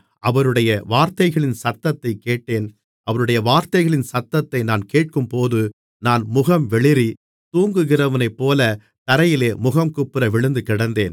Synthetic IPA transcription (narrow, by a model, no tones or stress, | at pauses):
ʔɐʋɐɾɯɽɐjɐʋaːɾt̪ɐɪɣɐɭɪnsɐt̪ːɐt̪ːɐɪkeːʈːeːn | ʔɐʋɐɾɯɽɐjɐʋaːɾt̪ɐɪɣɐɭɪnsɐt̪ːɐt̪ːɐɪnaːnkeːʈ̚kɯmpoːðɯ | naːnmʊɣɐmʋɛɭɪɾi | t̪uːŋɡɯɣɪrɐʋɐnɐɪpːoːlɐ | t̪ɐɾɐjɪleːmʊɣɐmkɯpːɪɾɐʋɪɭɯnd̪ɯkɪɽɐnd̪eːn